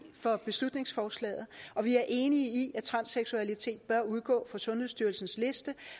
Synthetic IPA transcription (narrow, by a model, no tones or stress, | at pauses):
fɒ̽b̥e̝slud̥ne̝ŋsfɒːslɛ̰ːð̩ˠɒ̽ʋiæɐʔe̝ːniəiʔæt͡sʰʁɑ̈nseɡ̥suælit͡sʰe̝̰ːd̥̚b̥ɶɐuð̞ˠɡ̥ɔ̰̽ːfɑ̈sɔ̽nheðˠsd̥yɐlsn̩sle̝sd̥ə